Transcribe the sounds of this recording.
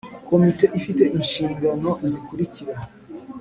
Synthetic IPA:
ko̞mite̞ʔifite̞ʔinʃiːŋɡano̞zikuɾiciɾa

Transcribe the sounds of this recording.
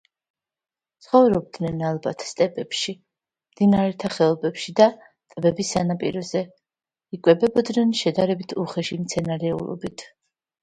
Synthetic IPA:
t̪sʰχɔvɾɔb̚d̪nɛnalˠbat̪ʰst̪ʼɛpʼɛpʃi | md̪̥inaɾɛt̪ʰaχɛɔbɛpʃid̪a | t̪ʼbɛbisanapʼḭɾɔzɛ | ikʼwɛbɛbɔd̪nɛnʃɛd̪aɾɛbit̪ʰuχɛʃimt̪sʰɛnaɾɛṵlˠɔ̰bit̪ʰ

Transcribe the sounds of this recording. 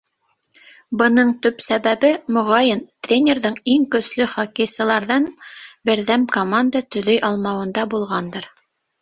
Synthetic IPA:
bɤ̆nɤɴt̪ɵpsæβæβɘmŏʁɑjɤnt̪rʲenʲeɾðɤɴiŋkɵ̆slɵχɑkisɤ̆lˠɑɾðɑnbɘ̆ɾðæmkomand̪ət̪ɵ̆ðɵjʔɑlˠmɑwɤ̆nd̪ɑbulˠʁɑnd̪ɤɾ

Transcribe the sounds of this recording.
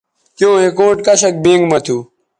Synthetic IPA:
kjõːɦekoːʈkɐɕɐk̚bẽːŋɡmɐt̪ʰuː

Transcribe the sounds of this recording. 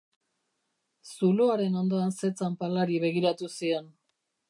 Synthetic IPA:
suloaɾe̞no̞nd̪o̞anse̞t͡sampalaɾiβe̞ɣiɾat̪usio̞n

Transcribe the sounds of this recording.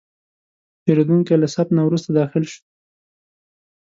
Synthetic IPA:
peɾed̪uŋkelasap̪nawɾust̪ad̪ɑxɪlʃu̥

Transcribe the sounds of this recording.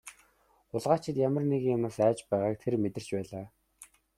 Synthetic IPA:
ʊɮʁaːt͡ɕʰɪ̆t̪jamə̆rneɣŋjamnăsæːt͡ɕpæːʁaːkt̪ʰermet̪ɘ̆r̥t͡ɕpæːɮaː

